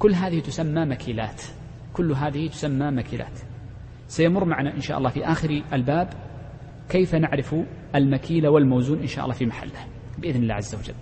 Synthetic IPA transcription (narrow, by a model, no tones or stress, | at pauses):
kʊlːɦaːðɪhit̪ʊsamːamakʰiːlaːt̪ | kʊlːɦaːðɪhit̪ʊ̥samːamakiːlʔa̰ːt̪ | sajamʊrˤːmaʕanaʔɪnʃaːʔɑlˤːɑːfiʔaːxɪɾalbaːb | kejfanaʕɾɪfʔalmakiːlawɪlmowzuːnʔɪnʃa̰ːʔɑlˤːɑːfimaħa̰lːah | bɪʔɪðnɪlːa̰ːʕazːawad͡ʒa̰lː